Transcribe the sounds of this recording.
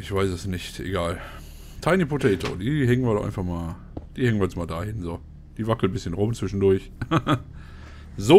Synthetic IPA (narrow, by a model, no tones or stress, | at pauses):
ʔɪçv̥aɪsɛsnɪçtʰʔḛɡaːl | tʰaɪnipʰʊtɛɪtʰo̰diːɦɛŋən̩viːɐdɔχʔa̰ɪnfaχmaːl | d̥iːhɛŋənviɛnt͡smaːldaːhɪnzoː | d̥iːvakl̩bɪsçənʁʊmt͡sv̥ɪʃn̩dʊɐç | zo